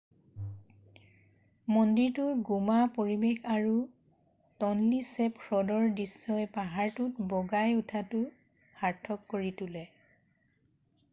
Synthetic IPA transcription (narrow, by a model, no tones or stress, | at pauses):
mɔndiɹtʊɹɡumapoɹibexaɹu | tɔnlisɛpkʰɹɔdɔɹdisːɔjpaɦaɹtutbɔɡajutʰatʊ | haɹtʰɔkːoɹitulɛ